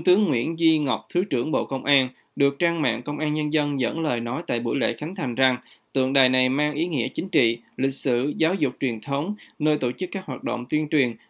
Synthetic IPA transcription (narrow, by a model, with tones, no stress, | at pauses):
t̪ɨ˨˦əŋːwḭ˧˥ənzi˧ŋa˨˩wk͡p̚t̪ʰɨ˨˦t͡ɕɨ˧˩əŋɓo̰˧˨kə˧wŋ͡mʔaː˧n | ɗɨ˨˩ək̚t͡ɕaː˧ŋma̰ː˧˨ŋkə˧wŋ͡mʔaː˧nɲə˧nzə˧nzə̰˧˥nləː˨˩jnɔ˨˦jt̪a̰ː˧˨jɓṵ˧˩jlḛ˧˨xa˨˦jŋ̟t̪ʰa˨˩jŋ̟za˨˩ŋ | t̪ɨ̰˧˨əŋɗaː˨˩jna˨˩jmaː˧ŋʔi˨˦ŋḭ˧˥ət͡ɕï˨˦ŋ̟t͡ɕḭ˧˨ | lï˨˩k̟̚sɨ̰˧˨zaː˨˦wzʊ˨˩k͡p̚t͡ɕwi˨˩ənt̪ʰə˨˦wŋ͡mnəː˧jt̪o˧˩t͡ɕɨ˦˥kːaː˦˥k̚ɦwaː˨˩t̚ɗo̰˧˨wŋ͡mt̪wi˧ənt͡ɕwi˨˩ən